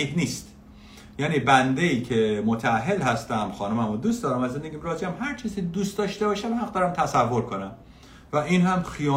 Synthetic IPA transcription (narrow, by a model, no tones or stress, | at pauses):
ihniːst̪ | jæːniːbænd̪eiːcʰemot̪ʰææɦːelhæst̪æmxɒːnumæmod̪uːst̪ɒːɾæmæzend̪eɟiːmɾɒːd͡ʒiæmɦæɾt͡ʃʰiːzikʰʲed̪uːst̪d̪ɒːʃt̪e̞bɒːʃæmhæqd̪ɒːɾæmt̪ʰæsævːo̞ɾkʰonæm | væinhæmxijɒː